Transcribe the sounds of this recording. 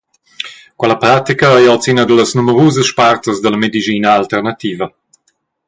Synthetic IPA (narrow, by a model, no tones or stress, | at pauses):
kwɛlɐpɾat̪ikəɛjɔt͡sinəd̪ələsnuməɾuːzəsʃpaɾt̪əsd̪əlɐmed̪id͡ʒiːnəalt̪ɛɾnat̪iːvɐ